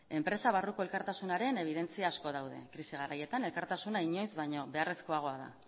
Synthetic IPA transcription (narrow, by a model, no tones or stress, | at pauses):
e̞mpɾe̞saβ̞aruko̞e̞lkaɾt̪asunaɾe̞ne̞β̞iðe̞nt͡siaːsko̞ð̞awðe̞̰kɾisiɣ̞aɾaje̞t̪ane̞lkaɾt̪asunaiɲo̞jzβajɲo̞βe̞are̞sko̞aɣ̞o̞aða̰